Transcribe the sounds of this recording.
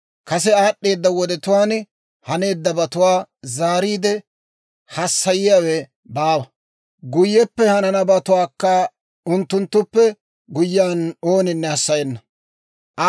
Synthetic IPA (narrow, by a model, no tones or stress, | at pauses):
kɐsɛaːɗːe̞ːd̪ːɐwɔd̪ɛt̪ʊwaːn | hɐne̞ːd̪ːɐbɐt̪ʊwaːzaːɾiːd̪ɛ | hɐsːɐjɪjawɛ | baːwɐ | ɡʊjːɛpːɛhɐnɐnɐbɐt̪ʊwaːkːɐ | ʊnt̪ːʊnt̪ːʊpːɛ | ɡʊjːaːnoːnɪnːɛɐsːɐjɛnːɐ | ʔɐ